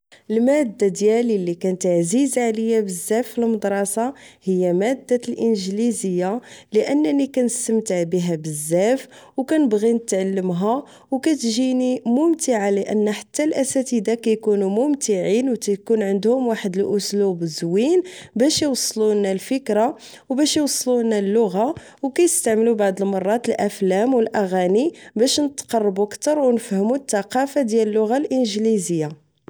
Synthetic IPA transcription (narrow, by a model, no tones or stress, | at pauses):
ʔəlmæd̪ːad̪jælilːikænt̪aʕzizʕaləjːæbəzːæfilməd̪ɾˤɑsɑhəjːæmæd̪ːalʔənʒlizəjːaləʔənːnikænəst̪əmt̪əʕbiɦæbəzːæfwkænəbɣinət̪ʕalːəmɦæ | wkæt̪ʒinimʊmt̪əʕaləʔə̰nːæħḁt̪ːælʔæsæt̪id̪akæjkunumʊmt̪iʕinwkæjkunʕənd̪hʊmwaħəd̪əlʔʊslubzwinbæʃjwɑsˤːlunːælfəkɾa | wbæʃjwsˤːlunælːʊɣa | wkæjəst̪aʕməlubaʕd̪ˤəlmɑrˤːɑt̪əlʔæflæmwəlʔæɣænibæʃnət̪qɑrˤːbukt̪ɑɾˤwnəfhəmut̪ːɑqɑfad̪jæləlːʊɣalʔənʒlizəjːa